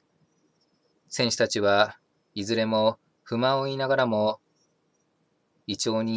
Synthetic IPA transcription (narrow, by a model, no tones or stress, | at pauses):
sẽ̞ɰ̃ɕɨ̥t̪at͡ɕiβa | izɨɾe̞mo̞ | ɸɯ̟mãoinaɡaɾamo̞ | it͡ɕo̞ːɲ̟i